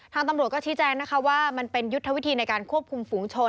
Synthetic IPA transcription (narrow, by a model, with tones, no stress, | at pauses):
t̪ʰaː˧ŋt̪a˧mɾu˨˩t̚kɔː˥˩t͡ɕʰi˦˥t͡ɕɛː˧ŋna˦˥kʰa˦˥waː˥˩ma˧npe˧nju˦˥t̪ʰːa˧wi˦˥t̪ʰiː˧na˧jkaː˧nkʰu˥˩əp̚kʰu˧mfuː˩˦ŋt͡ɕʰo˧